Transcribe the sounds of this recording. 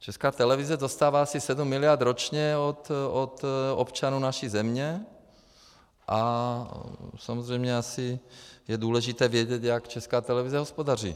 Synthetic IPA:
t͡ʃɛskaːt̪ɛlɛvizɛzost̪aːvaːasisɛdumːɪlɪjaɾd̪ɾot͡ʃɲɛot̪ot̪opt͡ʃanuːnaʃizɛmɲɛ | ʔa | samozrɛjmɲɛasɪjɛduːlɛʒɪt̪ɛːvjɛɟɛt̪jakt͡ʃɛskaːt̪ɛlɛvizɛɦospodar̝ḭː

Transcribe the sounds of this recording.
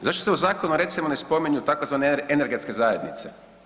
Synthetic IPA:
zaʃt̪oseuzaːko̞nuɾe̞t̪simone̞spo̞miɲut̪akozʋaneene̞ɾɡe̞t̪ske̞zaje̞d̪nit̪se

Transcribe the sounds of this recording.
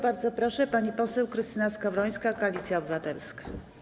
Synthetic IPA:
baɾd̪zɔpɾɔʂɛpaɲipɔsɛwkɾɘst̪ɘnaskavɾɔj̃skakɔalʲit̪sʲjaɔbɘvat̪ɛlskḁ

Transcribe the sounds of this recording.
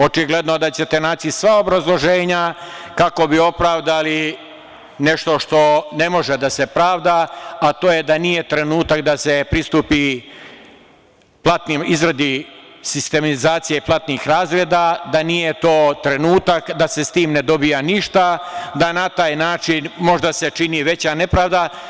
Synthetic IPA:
o̞t͡ʃiɡle̞d̪no̞d̪at͡ɕe̞t̪e̞naːt͡ɕisʋaobɾazlˠo̞ʒe̞ːɲakako̞bio̞pɾaːʋd̪ali | ne̞ʃt̪o̞ʃt̪o̞ne̞mo̞ʒed̪ase̞pɾaːʋd̪aːt̪oːje̞d̪anije̞t̪ɾe̞nuːt̪akd̪ase̞pɾist̪upi | plˠat̪nimizɾad̪isist̪e̞mizaːt̪sijeiplˠat̪nixɾaːzɾeːd̪ad̪anije̞t̪o̞ːt̪ɾe̞nuːt̪akd̪ase̞st̪iːmne̞d̪o̞bijaniʃt̪ad̪anat̪aːjnaːt͡ʃinmo̞ʒd̪ase̞t͡ʃiniʋe̞t͡ɕane̞pɾaːʋd̪a

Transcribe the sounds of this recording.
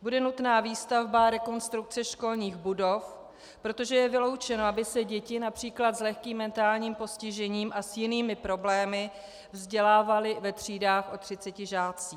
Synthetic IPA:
budɛnut̪naːviːst̪avbaɾɛko̞nst̪ɾuk̚t͡sɛʃko̞lɲiːxbudo̞f | pɾo̞t̪o̞ʒɛjɛvɪlo̞wt͡ʃɛnoabɪsɛɟɛcɪnapr̝̥iːklat̪zlɛxkiːmːɛnt̪aːlɲiːmpo̞scɪʒɛɲiːmʔasjɪniːmɪpɾo̞blɛːmɪ | vzɟɛlaːvalɪvɛt̪r̝̥iːdaːxʔo̞t̪r̥ɪt͡sɛcɪʒaːt͡siː

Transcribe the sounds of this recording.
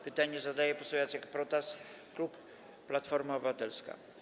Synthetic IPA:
pɘt̪aɲɛzad̪ajɛpɔsɔvjɔnsjakpɾɔt̪as | klupː | lat̪fɔɾmaɔbɘvat̪ɛlska̰

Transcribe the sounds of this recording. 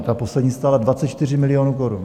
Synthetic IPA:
t̪apo̞slɛdɲiːst̪aːladvatt͡sɛt̪t͡ʃt̪ɪrɪmɪlɪjo̞ːnuːkoɾun

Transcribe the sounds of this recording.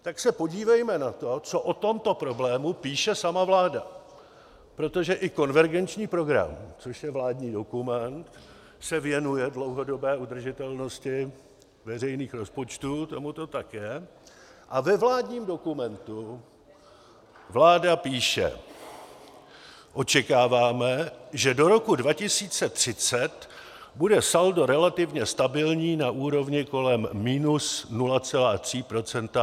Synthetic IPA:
t̪aksɛpo̞ɟiːvɛjmɛnat̪o̞t͡so̞ʔot̪o̞mt̪o̞pɾo̞blɛːmupiːʃɛsamavlaːda | pɾo̞t̪o̞ʒɛʔɪko̞nvɛɾɡɛnt͡ʃɲiːpɾo̞ɡɾa̰mt͡so̞ʃjɛvlaːdɲiːdo̞kumɛnt̪ | sɛvɪjɛnujɛdlowɦo̞do̞bɛːʔud̪r̩ʒɪt̪ɛlno̞scɪ | vɛr̝ɛjniːxɾo̞spo̞t͡ʃt̪uːt̪o̞mut̪o̞t̪akjɛ | ʔavɛvlaːdɲiːmdo̞kumɛnt̪u | vlaːdapiːʃɛ̰ | ʔo̞t͡ʃɛkaːvaːmɛʒɛdo̞ɾo̞kudvacɪsiːt͡sɛt̪r̥ɪt͡sɛt̪ | budɛsaldo̞ɾɛlat̪ɪvɲɛst̪abɪlɲiːnaʔuːɾo̞vɲɪko̞lɛmːiːnusnulat͡sɛlaːt̪r̝̥iːpɾo̞t͡sɛnt̪a

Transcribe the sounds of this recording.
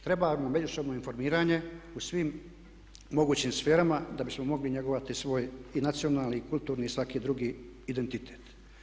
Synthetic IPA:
t̪ɾe̞bamome̞d͡ʑuso̞bno̞info̞ɾmiːɾaːɲe̞usʋimː | o̞ɡuːt͡ɕiːmsfe̞ːɾamad̪abismomo̞ɡliɲe̞ɡoʋat̪isʋo̞ːjinat̪sionaːlnikult̪uːɾniːsʋakiːd̪ɾuɡiː | d̪e̞nt̪it̪ʰeːt̪

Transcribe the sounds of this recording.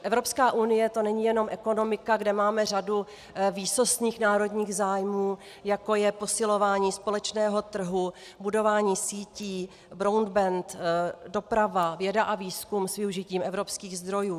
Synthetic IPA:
ʔɛvɾo̞pskaːʔunɪjɛt̪o̞nɛɲijɛno̞mʔɛko̞no̞mɪkaɡdɛmaːmɛr̝adu | viːso̞sɲiːxnaːɾo̞dɲiːɣzaːjmuː | jako̞jɛpo̞sɪlo̞vaːɲiːspo̞lɛt͡ʃnɛːɦo̞t̪r̩ɦu | budo̞vaːɲiːsiːciː | bɾowndbɛnt̪do̞pɾavavjɛdaʔaviːskumsvɪuʒɪciːmʔɛvɾo̞pskiːɣzd̪ɾo̞juː

